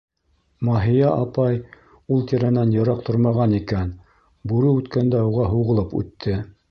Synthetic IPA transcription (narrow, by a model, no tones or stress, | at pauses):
mɑɦĭjɑʔɑpɑj | ulˠt̪ĕɾænænjɤ̆ɾɑq̚t̪ʰoɾmɑʁɑnikæn | buɾɤʉt̪kænd̪æoʁɑɦuʁɤ̆lˠɤpʉ̰t̪ʰːɘ